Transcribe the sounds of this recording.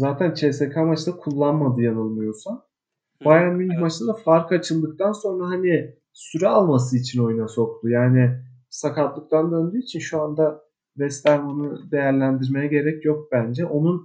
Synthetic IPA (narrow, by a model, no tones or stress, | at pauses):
zaːt̪ʰænt͡ʃʰesekʰamat͡ʃd̪akʰulˠːanmad̪ɯjanɯlˠmɯjo̞sa | bajanmynmat͡ʃʰɯnd̪afaɾkʰat͡ʃʰɯlˠd̪ɯk̚t̪ʰanso̞nɾaɦani | syɾɛalˠmas̬ɯit͡ʃʰino̞junaso̞k̚t̪ujaːnɪ | sakat̪lˠɯk̚t̪ʰand̪ø̞nd̪yːit͡ʃʰinʃuand̪a | vɛst̪æɾmonɯd̪e̞jæɾlʲænd̪iɾme̞jɛɟe̞ɾɛcjok̚bænd͡ʒɛʔo̞nun